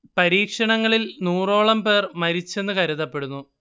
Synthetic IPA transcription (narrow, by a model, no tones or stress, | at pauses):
pɐɾiːkʂɐɳɐŋːɐɭilnuːro̞ːɭɐmpe̞ːrmɐɾit͡ɕːe̞nːɨkɐɾuðɐpːe̞ɽunːu